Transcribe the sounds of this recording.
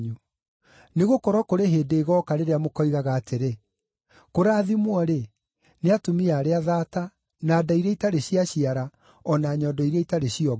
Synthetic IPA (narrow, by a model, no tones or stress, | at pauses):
ɲu | neɣokɔɾɔkoɾeɦedeːɣɔːkaɾeɾeamokɔiɣaɣaːtʰeɾe | koɾaːðimwɔɾe | neatomiaːɾeaðaːta | naːdaiɾeitaɾeɕiaɕiaɾa | ɔnaɲɔdɔiɾeitaɾeɕiɔ